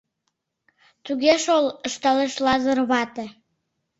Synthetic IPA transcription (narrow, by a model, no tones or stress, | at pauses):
t̪uɣeʃoləʃt̪ɑleʃlɑzərβɑt̪e